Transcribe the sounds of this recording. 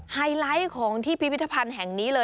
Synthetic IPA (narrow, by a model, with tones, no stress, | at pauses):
haː˧jla˦˥jkʰɔː˩˦ŋt̪ʰiː˥˩pʰi˦pʰi˦˥t̪ʰːa˧pʰa˧nɦɛ˨˩ŋniː˦˥lɤː˧